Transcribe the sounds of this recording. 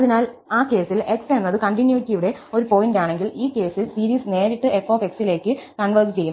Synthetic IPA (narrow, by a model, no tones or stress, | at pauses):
ɐðinaːl | aːke̞ːsile̞kse̞nːɐðɨkɐɳʈinjuitːijuɽe̞o̞ɾupo̞jindaːɳe̞ŋɡiliːke̞ːsilsiːɾiːsne̞ːɾiʈːɨʔefoːfe̞ksile̞ːkːɨkɐɳʋɐrst͡ɕejːum